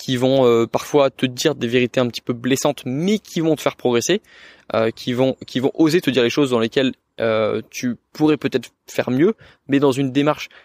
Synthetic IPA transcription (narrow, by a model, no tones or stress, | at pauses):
kʲivɔ̃øpaʁfwat̪əd̪iʁd̪eveʁit̪eɛ̃pət̪i̥pøblɛsɑ̃t̪mɛkʲʰivɔ̃t̪ə̥fɛʁpχɔɡʁese | økʲʰivɔ̃kʲʰivɔ̃ʔozet̪əd̪iʁleʃozd̪ɑ̃lekʲɛl | øt̪ypuʁɛpøt̪ɛt̪χ | fɛʁmjø | mɛd̪ɑ̃zynd̪emaʁʃ